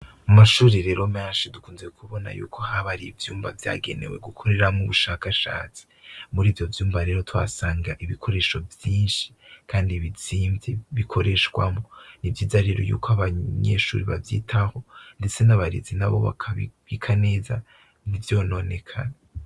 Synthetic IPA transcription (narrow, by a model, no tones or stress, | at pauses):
mumaʃuːɾiɾe̞ːɾo̞meːnʃidukuːnzekʰuβo̞na̰jṵːkʰo̞haβaɾivjuːmba̰vja̰ːɡe̞̰ne̞̰we̞̰ɡukʰo̞ɾe̞ɾamŋuβuʃakaʃa̰ːt͡si̥muɾiːvjo̞vjuːmbaɾe̞ːɾo̞twa̰saːŋɡaʔiβikʰo̞ɾe̞ːʃovjiːnʃi̥ | kʰaːndiβiziːmvjeβikʰo̞ɾe̞ʃɡwamonivjiːzaɾeɾojṵːkoaβaɲḛʃṵːɾiβa̰vjḭːtʰaho̞ndet͡se̞naβaɾḭzinaβo̞̰βa̰kʰaββikʰane̞ːza | nivjo̞ːno̞ne̞kʰa̰na